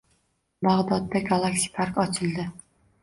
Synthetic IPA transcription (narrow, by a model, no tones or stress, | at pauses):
bɑʁd̪ɒt̪ːɑɡɑlˠaksi̥pʰaɾkɒt͡ʃʰɨlˠd̪ɪ